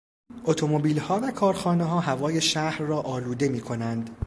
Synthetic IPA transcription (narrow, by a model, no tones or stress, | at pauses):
ʔo̞t̪ʰo̞mo̞biːlhɒːvækʰɒːɾxɒːneɦɒːɦævɒːje̞ʃæhɾrɒːʔɒːluːd̪e̞miːkʰo̞nænd̪